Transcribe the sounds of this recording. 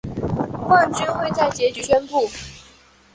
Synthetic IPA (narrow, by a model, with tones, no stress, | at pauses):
xwa˥˩nt͡ɕy˥nxwe˥˧ɪt͡sa˥˩ɪt͡ɕjɛ˧˥t͡ɕy˧˥ɕɥɛ˥npu˥˩